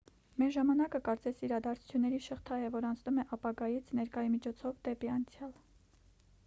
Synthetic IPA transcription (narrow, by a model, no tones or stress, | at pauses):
mɛɾʒɑmɑnɑkəkɑɾt͡sɛsiɾɑd̪ɑɾt͡sʰu̥t͡sʰjunːɛɾiʃəχt̪ʰɑjɛvɔɾɑnt͡sʰnumɛʔɑpɑɡɑjit͡sʰnɛɾkɑjimit͡ʃʰɔt͡sʰɔvd̪ɛpiɑnt͡sʰjɑl